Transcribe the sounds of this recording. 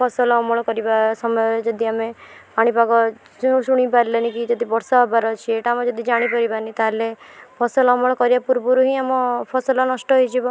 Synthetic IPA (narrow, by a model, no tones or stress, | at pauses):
pʰɔsɔlɔmɔɭɔkɔɾibasɔmɔjɔɾd͡ʒɔd̪iamepaɽ̃ipaɡɔ | ũsuɽ̃ipaɾilenikid͡ʒɔd̪ibɔɾsaɦɔbaɾɔt͡ʃʰieʈaːmɔd͡ʒɔd̪id͡ʒaɽ̃ipaɾibanit̪alepʰɔsɔlɔmɔɭ̃ɔkɔɾiapuɾbɔɾuɦiamɔpʰɔsɔlɔnɔsʈɔɦojd͡ʒʰibɔ